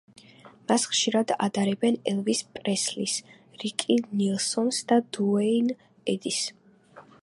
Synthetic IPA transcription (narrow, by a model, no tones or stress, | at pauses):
masχʃiɾad̪a̰d̪aɾɛbɛnɛlˠvispʼɾɛslis | ɾikʼinilˠsɔnsd̪ad̪uɛin | ɛd̪is